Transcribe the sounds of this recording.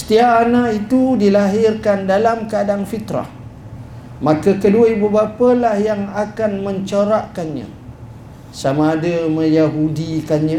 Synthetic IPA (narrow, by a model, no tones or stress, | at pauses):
sə̥t̪iaʔanaʔit̪udilaɦɪrkandalamkadaŋfit̪ɾa̰h | mãkakəduaibəbapalahjaŋakanmə̃ɲt͡ʃoɾaʔkanɲã̰ | samãːdaməjaɦudikanɲã